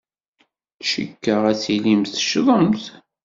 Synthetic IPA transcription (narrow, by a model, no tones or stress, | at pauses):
ʃə̰kːəʁæsilimθəʃðˤəmθ